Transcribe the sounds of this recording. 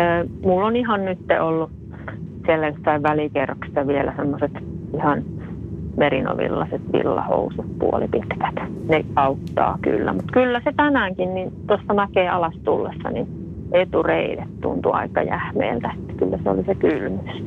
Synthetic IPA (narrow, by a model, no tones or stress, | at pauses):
əːmulːonihɑnnyt̪ːḛolːu | sielːæjosːɑiʋʋælikerːɑksi̥t̪æʋielʔæsemːoset̪ihɑn | merino̰ʋḭlːɑset̪ʋḭlːɑ̰ho̰usut̪puolipit̪kæ̥t̪neɑut̪ːɑ̰ːky̰lːæ̰mut̪kylːæset̪ænæːŋkinnint̪osːɑmækeːɑlɑst̪ulːesːɑ̰nḭ | et̪ureilet̪t̪ṵnt̪uɑ̰ikɑ̰jæhmḛːlt̪æe̥t̪ːæ̥kylːæseo̰lisekylmys